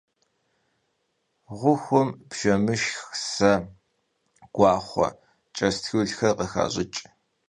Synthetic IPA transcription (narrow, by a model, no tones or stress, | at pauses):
ʁʷʊxʷʊmpʒɐmɨʃxsɐ | ɡ̥ʷɑːχʷɔ̰ | t͡ʃʼɐstxɨɮxɐrqəxa̰ːʑɪt͡ʃʼ